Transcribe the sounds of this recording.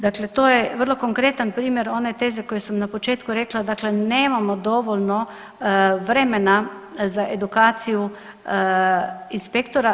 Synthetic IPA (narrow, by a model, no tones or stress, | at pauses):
d̪aːklɛt̪oːjɛʋəɾlɔkoŋkɾeːt̪anpɾiːmɛɾɔːnɛt̪eːzɛkojɛsəmnapɔt͡ʃeːt̪kuɾɛːklad̪aːklɛnɛːmamɔd̪ɔʋɔlnɔ | ʋɾɛːmɛna | zaʔed̪ukaːt̪siju | inspekt̪ɔɾa